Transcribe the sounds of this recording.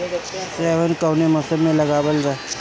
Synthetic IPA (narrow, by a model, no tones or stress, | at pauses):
seʋənkəwneməsəmeləɡabəld͡za